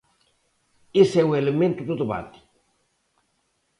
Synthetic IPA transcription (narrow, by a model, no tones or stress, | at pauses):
esɛwelemẽnt̪uðuðuβa̰t̪i̥